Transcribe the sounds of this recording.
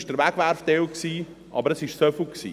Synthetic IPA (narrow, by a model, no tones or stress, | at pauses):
ʃd̥əɾʋæɡ̥ʋæɾfd̥ewksiː | ʔɑ̰bəɾəsɪʃsøflksḭː